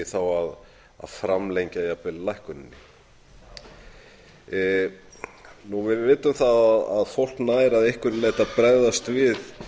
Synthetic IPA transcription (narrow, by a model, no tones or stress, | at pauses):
ɪθawað | a̰ðfɾamlejɲcajapɪllajhkʏnɪnːɪ | nuvɪðvɪːt̪ʏmθaðaða̰ðfowl̥knaːjɾaðejhkvʏɾlajht̪apɾɛððast̪vɪð